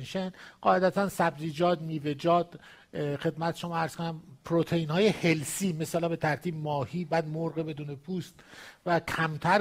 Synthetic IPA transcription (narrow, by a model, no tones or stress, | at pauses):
nʃenɢ̥ɒːe̞d̪æt̪ʰænsæbziːd͡ʒɒːd̪miːve̞d͡ʒɒːd̪̥ | xe̞d̪mæt̪ʰeʃomɒːæɾz̥konæmpʰɾot̪ʰejiːnhɒːje̞he̞lsiːmesɑlɒːbe̞t̪ʰæɾt̪ʰiːbmɒːhiːbæːd̪moɾɣebe̞d̪uːne̞pʰuːst̪vækʰæmt̪ʰæɾ